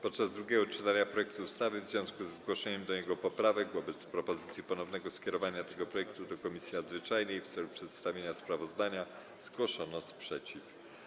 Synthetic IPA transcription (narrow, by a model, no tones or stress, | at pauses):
pɔt̪̚t͡ʂazd̪ɾuɡʲjɛɡɔt͡ʂɘt̪aɲapɾɔjɛk̚t̪uust̪avɘvzvʲjɔ̃w̃skuzɛzɡwɔʂɛɲɛmd̪ɔjɛɡɔpɔpɾavɛɡvɔbɛt̪spɾɔpɔzɘt̪sʲjipɔnɔvnɛɡɔskʲjɛɾɔvaɲat̪ɛɡɔpɾɔjɛk̚t̪ud̪ɔkɔmʲisʲjinad̪zvɘt͡ʂajnɛjft̪sɛlupʂɛt̪st̪avʲjeɲaspɾavɔzd̪aɲa | zɡwɔʂɔnɔspʂɛt͡ɕif